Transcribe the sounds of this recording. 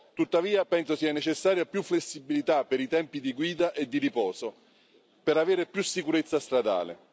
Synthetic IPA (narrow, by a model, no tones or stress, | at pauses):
t̪ut̪ːaviːapɛnsosiɛnːet͡ʃesːaːɾjapjufːlesːibilit̪apːeɾit̪ɛmpid̪iɡwiːd̪aʔed̪ːiripɔːso | peɾaveːɾɪpjusːikuɾet̪sːast̪ɾad̪a̰ːlḛ